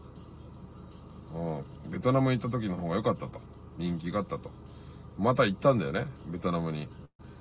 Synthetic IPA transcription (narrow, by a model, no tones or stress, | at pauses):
ɯ̃ː | be̞t̪o̞namɯ̟ɲit̪ːat̪̬o̞k̬ʲino̞ɦo̞ːɡajo̞kat̪ːat̪o | ɲ̟ĩŋk̬ʲiɡaaːt̪ːat̪o̞̥ | mat̪ait̪ːãnd̪ajo̰nebʲe̞t̪o̞namɯ̟ɲ̟i